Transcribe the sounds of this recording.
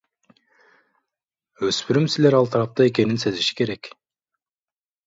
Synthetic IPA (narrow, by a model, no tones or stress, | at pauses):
øspyɾymsile̞ɾɑlˠt̪ʰɑɾɑp̚t̪ɑe̞k̬e̞ninse̞ziʃi̥ke̞ɾe̞k